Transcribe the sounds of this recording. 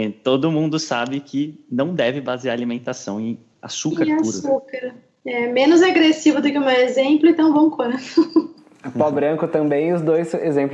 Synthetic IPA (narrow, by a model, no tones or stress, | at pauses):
t̪od̪ʊmũnd̪ʊsabɪkʰɪnɐ̃w̃d̪ɛvɪbaziaɾalimẽnt̪asɐ̰̃w̃ẽj̃ | a̰sukaɾ̃auɾsukaɾ | ɛmẽnʊzaɡɾesivʊd̪ʊkɪũmewezẽmplʊɪ̃t̪ɐ̃w̃bɐ̃w̃kwɐ̃t̪ʊ | pɔbɾɐ̃ŋkʊt̪ɐ̃mbẽj̃ʊzd̪ojsezẽmpl